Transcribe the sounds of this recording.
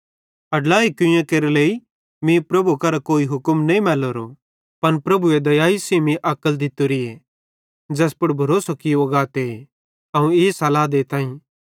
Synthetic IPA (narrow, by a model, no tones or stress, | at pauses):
ɐɖlaːikʊ̃jẽkeːɾeleːi | mĩpɾɐbukɐɾakoːiɦʊkəmnɐ̃ĩmɛːloɾo | pɐnpɾɐbued̪ɐjaːisiːmĩʔɐkəld̪ɪt̪oɾie | d͡ʒɛːspʊɽbʱɐɾoːsokioɡaːt̪ee | ɐũeːsɐlaːd̪eːt̪ãːĩ